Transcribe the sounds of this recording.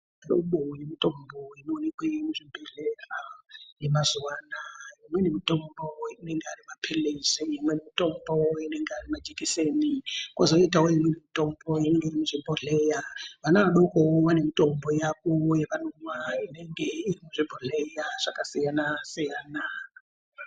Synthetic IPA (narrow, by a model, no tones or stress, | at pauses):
jo̰ɓojemitʼɔmbɔinoonikwimuʐʷibʱɛɮɛjajɛmazuwaːnajimwɛnemitʼɔmbɔinɛŋɡearimapʰɛlezɛjimwɛnemitʼɔmbɔinɛŋɡearimad͡ʒikʼisenikʼɔzɔitʼaojimwɛnemitʼɔmbɔjinŋɡeiɾimuʐ̥ibʱɔɮɛjaβanaɗɔkʼɔwanemitʼɔmbɔjakʼɔjɛβanumainɛŋɡɛirimuʐʷibʱɔɮɛjaʐ̥akʼasijanasijaːna